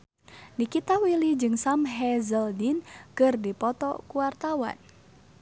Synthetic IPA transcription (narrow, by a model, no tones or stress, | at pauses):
nikit̪awilid͡ʒɨŋsamɦɛzəldinkɨrdipɔt̪ɔ̰kuwart̪awa̰n